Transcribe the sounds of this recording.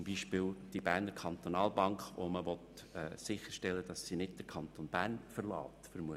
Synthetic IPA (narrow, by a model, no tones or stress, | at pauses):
mbiːʃpɪːld̥ibæɾnəɾkʰɑnt̪onɑːlbɑŋkχo̰məʋɔt̪ɛːsɪçəʃtɛlːəd̥ɑsːinɪd̚d̥əkʰɑnt̪oːnb̥æːɾnfəɾlɑ̰ːt̪fəɾmuə